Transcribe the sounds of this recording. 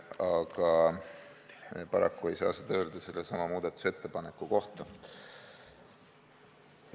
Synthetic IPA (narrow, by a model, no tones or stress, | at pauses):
ɑɡ̥ɑ | pɑɾɑ̰kːue̞jsɑ̰ːsed̪ɑøːld̪ɑse̞lːesɑmɑmuːd̪̥ɑt̪ːˑu̥se̞t̪ːepɑne̞kːˑuko̞ht̪ɑ